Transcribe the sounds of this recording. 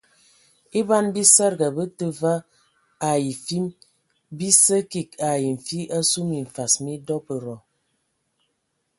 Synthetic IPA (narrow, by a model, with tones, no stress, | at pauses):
i˦ba˦nbi˦sə˦ɾɡa˨bə˦tə˦va˦ | a˨ji˨fi˦m | bi˦sə˦ki˨ka˨ji˨ɱ̩˨fi˦ʔa˦su˦mi˨ɱ̩˨fa˨smi˦dɔ˦pə˨ɾɔ˨